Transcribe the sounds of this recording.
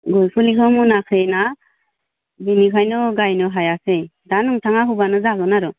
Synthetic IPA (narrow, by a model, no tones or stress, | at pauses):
ɡɔlpʰɯlikʰɔmunakʰɾena | binikʰajnɔɡajnɯɦajasejdanɯŋtʰaŋaɦubanɯzaɡɯnaɾɯ